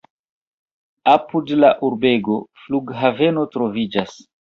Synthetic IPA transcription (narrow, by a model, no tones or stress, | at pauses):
apudlaʔuɾbe̞ɡo̞fluɡɦave̞no̞tɾo̞vid͡ʒas